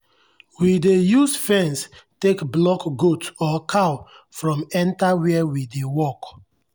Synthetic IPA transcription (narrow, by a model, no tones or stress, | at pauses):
widejusfɛ̃nstekblɔkɡutɔkʰaw | fɹɔ̃mɛ̃ntawɛɛwidewɔk